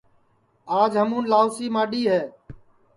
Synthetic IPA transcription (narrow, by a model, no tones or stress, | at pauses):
aːd͡ʒɦəmũːnlaːʊsiːmãːɗiːɦeː